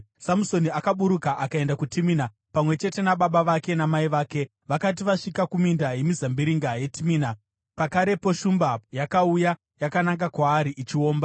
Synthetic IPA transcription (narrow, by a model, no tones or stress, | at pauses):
samuso̞niakaɓuɾukaʔakae̞ndakutimiːna | pamwe̞t͡ʃe̞te̞naɓaɓaʋake̞namaiʋaːke̞ | ʋakat̬iʋaʂikakumindaje̞mizambiɾiŋɡaje̞timiːna | pakaɾe̞poʃumbajakauja | jakanaŋɡakwaːɾiʔit͡ʃio̞ːmba